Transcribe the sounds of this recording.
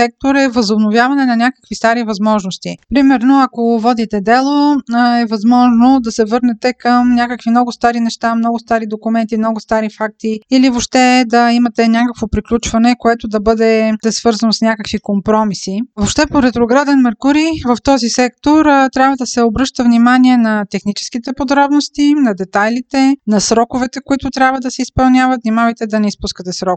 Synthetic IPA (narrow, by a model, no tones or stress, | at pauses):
sɛk̚t̪oɾɛvɐzobnovʲjavɐnɛnɐnʲakə̥kvist̪aɾivɐzmɔʒnost̪ipɾimɛɾnoɐkovɔd̪it̪ɛd̪ɛlˠoɛvɐzmɔʒnod̪ɐsɛvɤɾnɛt̪ɛkəmnʲjakəkvimnɔɡʊst̪aɾinɛʃt̪amnɔɡʊst̪aɾid̪okumɛnt̪imnɔɡʊst̪aɾifak̚t̪iilivopʃt̪ɛd̪ɐimɐt̪ɛnʲakəkvopɾiklʲut͡ʃvɐnɛkoɛt̪ʊd̪ɐbɤd̪ɛɛsvɤɾzɐnosnʲakəkvikompɾɔmisivoʃt̪ɛpoɾɛt̪ɾoɡɾad̪ɛnmɛɾkuɾivɐft̪ɔzisɛkt̪oɾt̪ɾʲabvɐd̪ɐsɛobɾɤʃt̪ɐvnimaniɛnɐt̪ɛxnit͡ʃɛ̥sk̟it̪ɛpod̪ɾɔbnost̪inɐd̪ɛt̪ajlit̪ɛnɐsɾɔkʊvɛt̪ɛkoit̪ʊt̪ɾʲabvɐd̪ɐsɛispɐlˠnʲavɐt̪vnʲimavəjt̪ɛd̪ɐnɛispuskət̪ɛsɾɔk